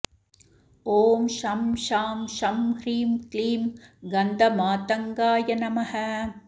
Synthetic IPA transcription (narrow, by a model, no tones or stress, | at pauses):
oːmʃɐmʃaːmʃɐmhɾiːmkliːmɡɐnd̪ɐmaːt̪ɐŋɡaːjɐnɐmɐhɐ